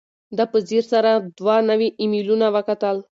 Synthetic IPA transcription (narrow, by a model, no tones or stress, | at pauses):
d̪əpəziɾsaɾad̪wanəwiʔɪmilunawəkat̪əl